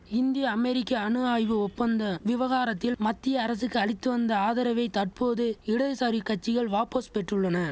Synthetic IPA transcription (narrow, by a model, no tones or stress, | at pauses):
ɪnd̪ɪjɐːmɛɾɪkːɐːɳɯaːjʋɯɔpːɐnd̪ɐʋɪʋɐɣaːɾɐt̪ːɪlmɐt̪ːɪjɐːɾɐsɯkːɯɐɭɪt̪ːɯʋɐnd̪ɐaːðɐɾɐʋɐɪt̪ɐʈ̚poːðɯɪɽɐɯsaɾikːɐʈ̚t͡ʃːɪɣɐɭʋaːpospɛʈrɯɭːɐnɐ